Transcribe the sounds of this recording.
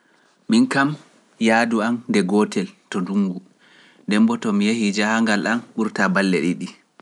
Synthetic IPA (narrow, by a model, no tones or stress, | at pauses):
minkam | jaːduamdɛɡɔtʰɛltɔnduŋɡu | dɛmbɔtɔmijehid͡ʒahaŋɡalʔanɓuɾtabalːɛ̰ɗiɗi